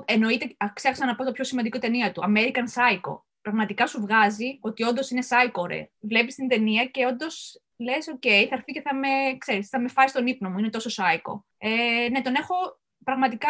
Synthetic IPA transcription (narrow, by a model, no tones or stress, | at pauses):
e̞no̞it̪eɐksexɐksɐnɐpot̪opço̞simɐnd̪ikot̪e̞niɐt̪uɐme̞ɾikɐnsɐiko̰ | pɾɐɣmɐt̪ikɐsuvɣɐzio̞t̪io̞nd̪o̞sine̞sɐiko̞ɾḛvle̞pist̪ind̪e̞niɐce̞o̞nd̪o̞s | le̞so̞ce̞ijθɐɾθice̞θɐme̞kse̞ɾisθɐme̞fɐsist̪o̞nipno̞muine̞t̪o̞so̞sɐiko̞̰ | ene̞t̪o̞ne̞xo̞ | pɾɐɣmɐt̪ikɐ